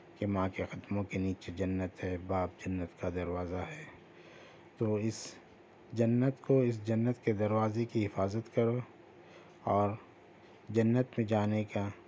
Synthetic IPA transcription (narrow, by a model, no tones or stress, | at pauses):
kemãːkexɐt̪mõkeniːt͡ʃed͡ʒɐnːət̪ɦɛːbaːp̚d͡ʒɐnːət̪kad̪ɐɾwaːzaɦɛː | t̪oːɪs | d͡ʒɐnːət̪koɪs̬d͡ʒɐnːət̪ked̪ɐɾwaːzekiɦɪfaːzət̪kɐɾoː | ɔːɾ | d͡ʒɐnːət̪mẽd͡ʒaːneka